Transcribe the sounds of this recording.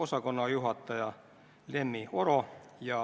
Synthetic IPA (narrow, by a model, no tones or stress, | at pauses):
osɑkonːɑjuɦɑt̪ːɑjɑ | lemːioro | jɑ